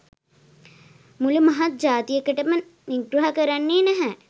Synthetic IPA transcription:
mulumaɦat̪̚d͡ʒaːt̪ijəkəʈəməniɡɾuɦakəɾanːeːnæɦɛ

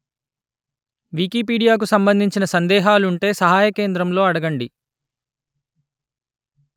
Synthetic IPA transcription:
ʋiːkiːpiːɽijaːk̬usɐmbɐnd̪ʱiɲt͡ʃinɐsɐnd̪ɛːɦaːluuɳʈe̞ːsɐɦaːjɐke̞ːnd̪ɾɐmlo̞ːɐɽɐɡɐɳɖi

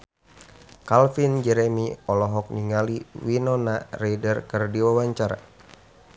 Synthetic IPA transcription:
kalfind͡ʒɛɾɛmiɔlɔɦɔk̚niŋaliwinɔnareidərkərdiwawaɲt͡ʃaɾa̰

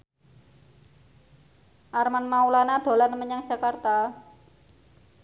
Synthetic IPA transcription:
ʔarmanmaulanad̪̥o̤lanməɲaŋ̥ʒ̥a̤kart̪a

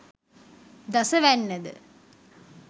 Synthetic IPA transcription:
d̪ɐsəʋænːəd̪ə̰

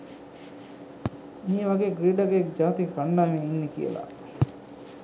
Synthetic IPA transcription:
mieʋɐɡeːɡɾiːɖaɡekd͡ʒaːt̪ifanːaːʋininːekḭə̰la̰

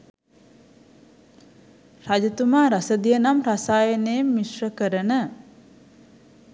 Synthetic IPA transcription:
rad͡ʒɐt̪umaːɾasəd̪ijənamrasaːjəneːmːiʃrəkəɾənə

